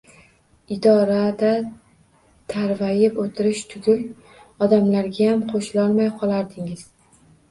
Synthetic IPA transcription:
ɪd̪ɒɾad̪a | t̪ʰaɾvajɪpot̪ʰɪɾɪʃt̪ʰʊɡʲɪl | ɒd̪amlaɾɡʲajamqʰoʃɪlɒlˠmajqʰɒlˠaɾd̪ɪŋɪz̥

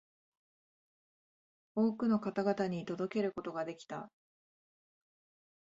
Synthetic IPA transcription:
oːkɯ̟no̞kat̪aɡat̪aɲ̟it̪o̞d̪o̞ke̞ɾɯ̟ko̞t̪o̞ɡad̪e̞kʲi̥t̪a̰

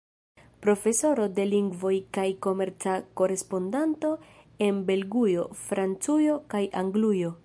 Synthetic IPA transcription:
pɾo̞fe̞so̞ɾo̞de̞liŋɡvo̞jkajko̞me̞ɾt͡sako̞ɾe̞spo̞ndanto̞ | e̞nbe̞lɡujo̞fɾant͡sujo̞kajʔaŋɡlujo̞

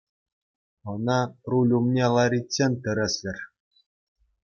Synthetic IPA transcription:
ɤ̆nɑrulʲumnʲelˠɑɾʲitʲsʲenʲt̪ʲɘ̆ɾʲɘ̆sʲlʲɘ̆rʲ

